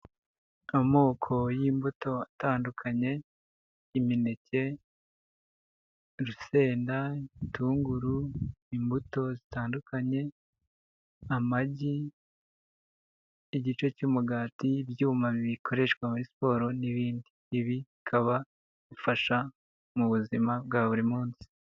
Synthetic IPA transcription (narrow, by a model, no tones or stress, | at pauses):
amo̞ːkʰo̞jiːmbuto̞ataːndukʰaɲe̞ | iminece̞ | ɾuse̞ːndaintʰuːŋɡuɾuimbuto̞zitaːndukʰaɲe̞ | amaɟi | ɟit͡ʃo̞cuːmuɡaːtibjuːmaββikʰo̞ɾe̞ʃkwamuɾispo̞ːɾo̞niβiːndiːβi | kʰaβa | ɡufaʃa | muβuzimabɡaːβuɾimuːnsi̥